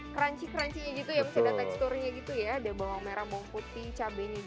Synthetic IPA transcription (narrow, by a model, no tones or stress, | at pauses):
kəɾaɲt͡ʃikəɾaɲt͡ʃiɲad͡ʒit̪ujamisɛdat̪akist̪oɾiɲaɡit̪ujaːdabawaŋmeɾabɔŋput̪it͡ʃabɛɲa